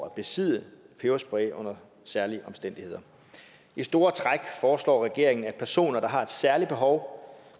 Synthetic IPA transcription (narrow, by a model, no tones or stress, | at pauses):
æb̥e̝sið̰ˠəpʰeʊɐsb̥ʁɛːʔɔ̽n̰ɐ | sæɐliəʔɒ̽msd̥en̰d̥ihe̝ð̞̰ˠɐ | isd̥o̝ːɐt͡sʰʁaɡ̥fɒːslɒ̰ːʁɛɡ̥e̝ɐ̰eŋn̩æd̥̚pʰæɐso̝̰ːnɐd̥ɑ̈ɦɑ̈e̝d̥sæɐlib̥e̝ɦɒʊ